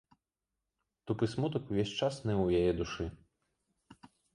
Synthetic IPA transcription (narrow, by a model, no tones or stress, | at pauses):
t̪upɨsmut̪ɐkuvʲesʲt͡ʂasnɛwjajɛd̪uʂɨ